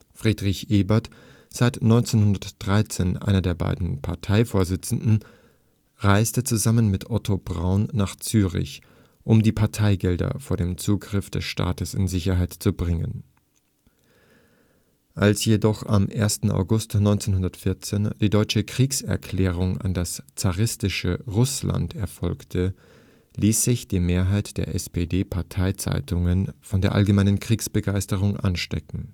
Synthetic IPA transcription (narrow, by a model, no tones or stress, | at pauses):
fʁ̥iːdʁɪçʔeːbɐt | z̥aɪtnɔʏnt͡seːnhʊndɐtd̥ʁaɪt͡seːnʔa̰ɪnɐdeːɐba̰ɪdn̩pʰaɐtʰaɪfoːɐzɪt͡sn̩dn̩ | ʁaɪstət͡suzamənmɪtʔɔtʰobʁa̰ʊnːaːχt͡syːʁɪ̰ç | ʔʊmdiːpʰaɐtʰaɪɡɛldɐ̰foːɐdeːmt͡suːɡʁɪfd̥ɛsʃta̰ːtəsɪ̰nzɪçɐɦaɪtt͡subʁɪŋə̰n | ʔalsjedɔχa̰mʔeːɐstn̩a̰ʊɡʊstnɔʏnt͡seːnɦʊndɐtfɪɐt͡seːnd̥iːdɔʏt͡ʃəkʁ̥iːksɛ̰ɐkʰl̥ɛːʁ̞ʊŋa̰ndast͡saʁɪstɪʃəʁʊsla̰ntʰɛɐfɔlktʰə | liːsz̥ɪçd̥iːmeːɐɦaɪtd̥eːɐʔɛspeːdeːpʰaɐtʰaɪt͡sa̰ɪtʰʊŋənfɔndeːɐʔa̰lɡəmaɪnənkʁ̥iːksb̥əɡaɪstəʁ̞ʊŋʔa̰nʃtɛ̰kŋ̩